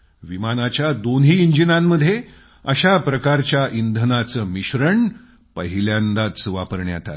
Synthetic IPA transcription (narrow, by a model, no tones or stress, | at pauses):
ʋimanat͡ɕjad̪onɦiːiɲd͡ʑinamːəd̪ʱje | əɕapɾəkaɾt͡ɕjaʔind̪ʱənat͡səːmiɕɾəɳ | pəɦiljãnd̪at̪sʋapəɾɳja̰t̪a̰l